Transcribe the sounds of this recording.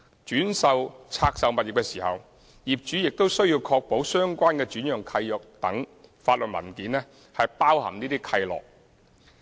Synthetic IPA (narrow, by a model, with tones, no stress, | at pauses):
t͡ʃyː˨˥nsɐ˨wt͡sʰaː˧k̚sɐ˨wmɐ˨t̚jɪ˨˩kːɛː˧siː˨˩hɐ̰˨w | jiː˨p̚t͡ʃyː˨˥jɪ˨k̚t̪o˥wsɵ˥ɥjiː˧wkʰɔː˧k̚po˨˥wsœː˥ŋkʷaː˥nkɛː˧t͡ʃyː˨˥njœː˨˩ŋkʰɐ˧jjɔ˨˩k̚t̪ɐ˨˥ŋfaː˧t̚lɵ˨t̚mɐ̰˨˩nkiː˨˥nlɛ˥ | hɐ˨jpaː˥whɐ̰˨˩mniː˥t̪iː˥kʰɐ˧jlɔ̰ː˨k̚